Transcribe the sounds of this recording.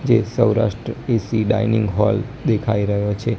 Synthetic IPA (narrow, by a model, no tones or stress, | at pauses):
d͡ʒesəwɾa̰ʃʈɾəesiɖa̰inɪ̃ŋɡɦɔld̪ekʰaiɾəɦjot͡ʃʰe